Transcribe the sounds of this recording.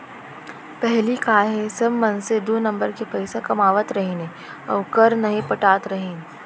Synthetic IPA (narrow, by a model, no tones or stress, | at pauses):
pɛɦlikaːɦẽsɐbmɐ̃nsed̪oːnɐ̃mbəɾkepɐɪsakɐmaːʋət̪ɾɐɦẽːne | ɔ̰ːɾkɐɾnɐɦĩpɐʈaːt̪ɾɐɦẽːn